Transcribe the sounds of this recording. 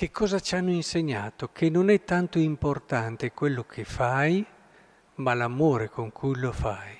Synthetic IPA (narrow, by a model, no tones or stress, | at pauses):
kekʰːɔːzat͡ʃanːoinseɲːaːt̪okʰenːonɛt̪ːant̪oimport̪ant̪ekwelːokʰefaj | malamoːɾekoŋkʰujlofaj